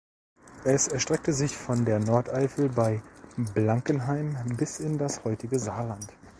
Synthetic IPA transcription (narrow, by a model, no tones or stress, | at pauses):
ʔɛsɛɐʃtʁ̥ɛk̚təzɪçfɔndeːɐnɔɐtʔaɪfl̩baɪblaŋkənɦaɪmbɪsɪndashɔʏtɪɡəzaːɐlant